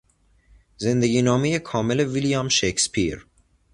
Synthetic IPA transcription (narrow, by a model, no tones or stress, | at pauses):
ze̞nd̪eɡʲiːnɒːmejekʰɒːmele̞vilijɒːmʃekspʰiɾ